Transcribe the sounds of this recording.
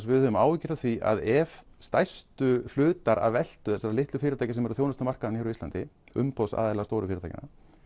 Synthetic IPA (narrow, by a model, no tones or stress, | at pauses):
vɪðhʏʏmaːwvɪcɪɾaθviʔa̰ðɛvst̪ajst̪ʏflʏːt̪aɾa̰ðvɛl̥t̪ʏθɛsaɾalɪht̪lʏfɪːɾɪt̪ʰajcasɛmɛɾʏθjoːwnast̪ʏmar̥kaðançaːɾʏist̪ant̪ɪʏ̰mpowsa̰ːðɛlast̪owɾʏfɪːɾɪt̪ʰajcɪ̰na